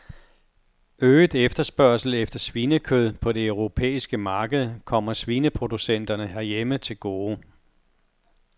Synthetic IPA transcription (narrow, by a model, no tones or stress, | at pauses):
øːð̩ˠefd̥ɐsb̥ɶɐsl̩efd̥ɐsʋiːnəkʰøð̞ˠpʰɒ̽de̝œʊʁo̝pʰḛːisɡ̥əmɑ̈ːɡ̥əð̞̩ˠkʰɒ̽m̰ɐsʋinəpʰʁo̝d̥usen̰d̥ɐnəɦæɐjemət͡sʰe̝lɡ̥o̝ː